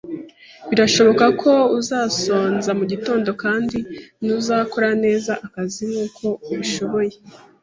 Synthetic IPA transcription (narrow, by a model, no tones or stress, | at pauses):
βiɾaʃo̞βo̞kakʰo̞uzaːso̞ːnzamuɟito̞ːndo̞kaːndinuzaːko̞ɾane̞ːzaʔakazimuːkʰo̞uβiʃo̞βo̞je